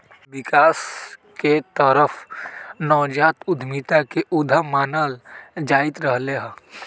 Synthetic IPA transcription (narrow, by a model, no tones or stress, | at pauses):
ʋɪkaːs | ket̪əɾəfnɔːd͡ʒaːt̪ʊd̪ʱmit̪akeʔʊd̪ʱəmaːnəːld͡ʒaːɪt̪ɾəɦleɦɛ̃ː